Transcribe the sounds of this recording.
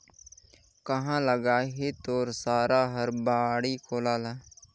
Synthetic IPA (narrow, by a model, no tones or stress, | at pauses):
kəɦãːləɡaːɦeːt̪oːɾsaːɾaːɦəɾbaːɽiːkʰoːlaːlaː